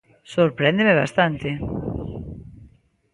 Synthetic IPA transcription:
soɾpɾend̪emeβa̰st̪ant̪ɪ

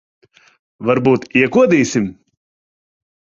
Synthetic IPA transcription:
vaɾbuːt̪iɛkuɔd̪iːsʲim

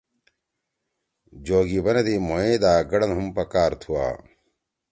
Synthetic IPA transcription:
d͡ʑoːɡibɐnɐd̪imoẽːd̪aːɡɐɽɐnɦumpɐkaːɾt̪ʰuwa̰ː

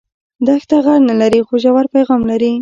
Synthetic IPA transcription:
d̪axt̪aɣaɽnalaɾixoʒawaɾpajɣɑmlaɾi

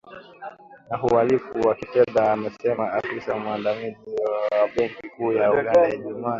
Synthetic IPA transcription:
naɦualifuwakitɛðaːmɛsɛmaafisamuandamiziwaɓɛŋkikuːjauɡandajaʄuma

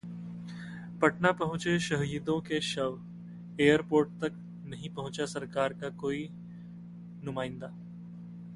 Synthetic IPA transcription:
pɐʈnapɐɦʊ̃t͡ʃeʃɐɦjɪd̪õkeʃɐʋ | eːəɾpoːɾʈ̚t̪ɐk̚ | nɐɦĩpɐɦʊ̃t͡ʃasɐɾkaːɾkakoːi | nʊmaːɪ̃nd̪aː

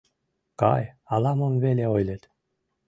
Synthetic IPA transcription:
kɑ̰jɑlɑmomveleojlʲet̪

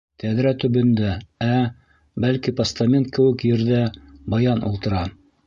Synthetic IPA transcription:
t̪æðɾæt̪ɵ̆bɵ̆nd̪ææ | bælkipɐst̪amʲent̪̚kɘ̆wɘ̆kjɘ̆ɾðæbɑjɑnṵlˠt̪ɤ̆ɾɑ

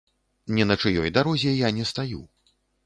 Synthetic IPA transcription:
nʲɛnɐt͡ʂɨjɔ̰jd̪aɾɔzʲɛjanʲɛst̪aju

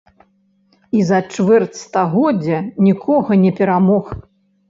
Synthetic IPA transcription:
izɐt͡ʂvɛrt̪st̪aɣɔd͡zʲɐnʲikʰɔɣɐnʲɛpʲɛɾamɔx

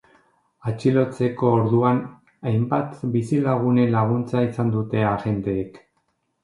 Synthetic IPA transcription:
at͡ʃilo̞t͡se̞ko̞ːɾðuan | ajmbat̪bisilaɣ̞une̞laɣ̞unt͡saisand̪ut̪e̞aɣe̞nt̪e̞ːk

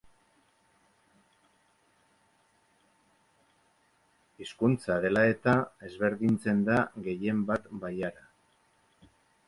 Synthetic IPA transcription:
iskunt͡saðe̞lae̞t̪ae̞zβe̞ɾðint͡se̞nd̪aɣe̞je̞mbat̪bajaɾa

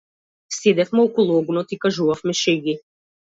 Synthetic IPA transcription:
st̪id̪ɛfmɛɔkɔlˠɔɡunɔt̪ikaʒuvafmɛʃɛɡi

